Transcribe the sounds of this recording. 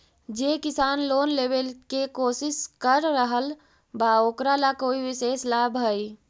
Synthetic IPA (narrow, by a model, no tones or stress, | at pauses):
d͡ʒeːkɪsaːnloːnleːwelkekoːsɪskəɾːəɦəl | baoːkɾalakoːiwɪseːslaːbʱɦəi